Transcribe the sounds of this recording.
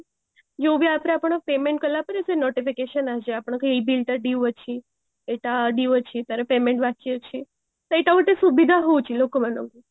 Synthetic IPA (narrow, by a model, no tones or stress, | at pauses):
d͡ʒeũbiapɾeapəɳpemeɳʈ̚kəlapəɾesenɔʈifikeʃənad͡ʒeapəɳ̃kilbilʈəɖiʋət͡ʃʰi | eʈaɖiʋət͡ʃʰit̪aɾepemeɳʈʋakijət͡ʃʰi | t̪oeʈaməʈ̪esubid̪ʱaɦoũt͡ʃʰilokomãnoɡu